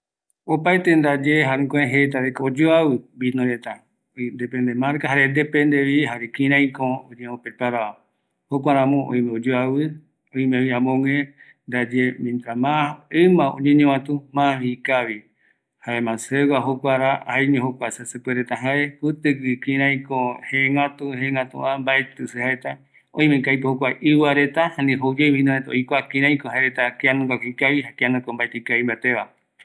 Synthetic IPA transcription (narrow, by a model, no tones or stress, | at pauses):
opajt̪end̪ad͡ʒeɦaɾẽkõẽɦet̪̬aɾekod͡ʒoawɨbinõɾet̪a | nd̪epend̪emãɾkaɦaɾend̪epend̪eβiɦaɾekĩɾ̃ãj̃kõoɲeopepaɾao | hokʷaɾãmõʔõ̰j̃mẽod͡ʒoawɨ | õĩmeβiãmõŋẽ | nd̪ad͡ʒemĩnd̪ɾamãɨmãõ̰ɲẽɲẽwãt̪ũmãikaβi | haemãsewaɦokʷaɾaajɲẽɦokʷasasɨpeɾet̪aɦaepɨt̪ɨkɨkĩɾãj̃koheŋɡat̪uhẽŋɡat̪ṵãmbaet̪ɨsɨhaet̪a | õj̃mẽkajpohokʷaʔɨwaɾet̪ahãnĩɦowd͡ʒejβĩnõet̪ao̰jkʷakĩɾ̃ãj̃koɦaeɾet̪akeanũɡakikaβihɦakeanũkombaet̪ekaimbat̪eβa